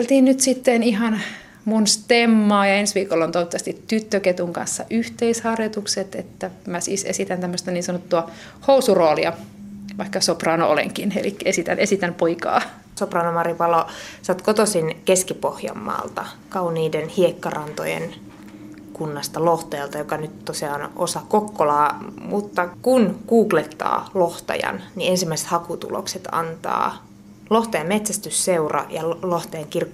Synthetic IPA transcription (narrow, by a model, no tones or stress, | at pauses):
elt̪iːnnyt̪sit̪ːeniɦɑn | munst̪emːɑːjɑensʋiːkolːont̪oit̪ːɑst̪it̪ːyt̪ːøket̪uŋkɑ̰nsːɑ̰ʔyht̪eishɑrjot̪ukset̪et̪ːæmæsḭːsḛsit̪ænt̪æmːøst̪ɑniːnsɑnot̪ːuɑ | housuroːliɑʋɑikːɑsoprɑːnoo̰lḛŋkinḛlikːæesit̪æ̰nʔesit̪ænpoikɑ̰ː | soprɑːnomɑripɑlosɑt̪kot̪osinkeskipohjɑ̰mːɑ̰ːlt̪ɑkɑuniːdenhiekːɑrɑnt̪o̰jḛn | kunːɑst̪ɑloht̪ɑjɑlt̪ɑjokɑnyt̪t̪ːosiɑonʔosɑkokːolɑːmut̪ːɑkunkuːklet̪ːɑ̰ːloht̪ɑ̰jɑ̰nniensimːæise̥t̪hɑkut̪ṵlo̰kset̪ɑ̰nt̪ɑ̰ː | loht̪ɑjɑmet̪sæst̪ysseurɑ̰jɑloht̪ɑjɑŋkirkː